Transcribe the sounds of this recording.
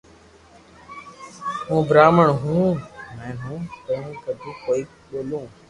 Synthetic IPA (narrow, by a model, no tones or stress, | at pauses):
ɦũːbɾaːməɳɦũːɛ̃ːɦũːt̪əũːkəd̪ʱũːkoːiː | ɓoːlũː